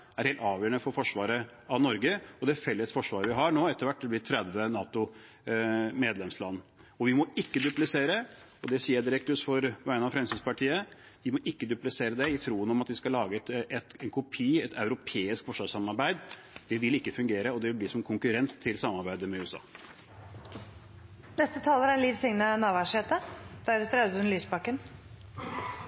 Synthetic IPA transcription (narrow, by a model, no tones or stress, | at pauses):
æɾheːlt̪ɑːʋjøːəɳəfɔɾfɔʂʋɑːɾə | ɑʋnɔɾɡəɔd̪ɛfɛlːəsfɔʂʋɑːɾəʋɪɦɑɳoːɛt̪ːəɾʋæʈːd̪ɛblɪt̪ʰɾɛd̪ʋənɑːt̪ʊ | meːd̪lɛmslɑnː | ɔʋɪmɔɪkːəd̪ʉplɪseːɾə | ɔd̪ɛsiːəd̪ɪɾɛk̚t̪ʉsfɔɾʋæɪnɑfɾɛmsɪspɑʈʰiːə | ʋɪmɔʔɪkːəd̪ʉplɪseːɾəd̪ɛɪt̪ʰɾuːənɔmɑt̪ʋɪskɑlːɑːɡət̪ɛt̪ɛnkʰʊpʰiːɛt̪ɑʉɾʊpʰeːɪskfɔʂʋɑːʂsɑmɑɾbæɪd̪ | d̪̥ɛʋɪlɪkːəfʉŋɡeːɾəɔd̪ɛʋɪlb̪iːsɔmkʰʊŋkʉɾɛnt̪ʰːɪlsɑmːɑɾbæɪd̪əmɛʉːɛsɑ̰ː | nɛst̪ət̪ʰɑːləɾæliːʋsɪŋnənɑːʋæʂeːt̪əd̪̥æɾət̪ɾɛd̪ʉnlyːsbɑkːən